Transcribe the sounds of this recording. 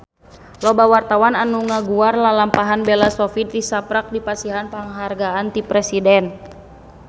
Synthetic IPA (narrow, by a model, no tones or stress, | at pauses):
lɔbawart̪awananuŋaɡuarlalampaɦanbɛlasɔfit̪̚disapɾak̚dipasiɦanpaŋɦarɡaant̪ipɾɛsidɛn